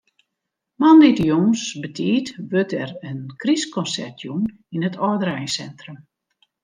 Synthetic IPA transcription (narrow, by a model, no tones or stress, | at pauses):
manditəjoŋsbətʰiːtʋøtʰɛrənkriskɔnsɛ̰rtʰjun | inətʰɔdəɾɛjsɛntrəm